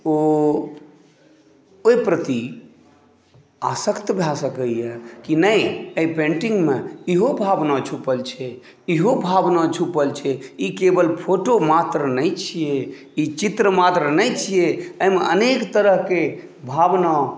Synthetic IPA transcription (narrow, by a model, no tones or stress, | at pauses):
o | opɾət̪i | asəkt̪bʱasəkəjɛkinəjəipẽɳʈiŋɡmeiɦobʱabnat͡ʃʰupəlt͡ʃʰɛ | iɦobʱabnat͡ʃʰupəlt͡ʃʰɛikebəlpʰoʈomat̪ɾənəjt͡ʃʰije | it͡ʃit̪ɾəmat̪ɾənəjt͡ʃʰijeəjmeənekt̪əɾəɦke | bʱabna